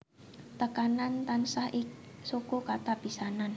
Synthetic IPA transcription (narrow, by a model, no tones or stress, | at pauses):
t̪əkanant̪ansahʔɪksokokat̪apisanan